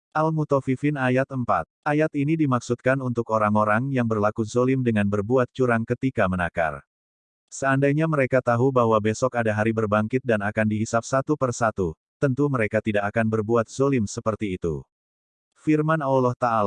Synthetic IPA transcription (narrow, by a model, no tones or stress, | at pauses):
ʔalmut̪ofifɪnajat̪əmpa̰t̪̚ʔajat̪inidimaksut̪̚kanunt̪ʊkoɾaŋoɾaŋjaŋbərlakuzolɪmdəŋanbərbuat̪̚t͡ʃuɾaŋkət̪ikamənaka̰r | səandajɲaməɾekat̪aɦubaɦwabesɔkadaɦaɾibərbaŋkɪt̪̚danakandiɦisap̚sat̪upərsat̪u | t̪ənt̪uməɾekat̪idakakanbərbuat̪̚z̥olɪmsəpərt̪iːt̪ṵ | firmanawlɔht̪aʔal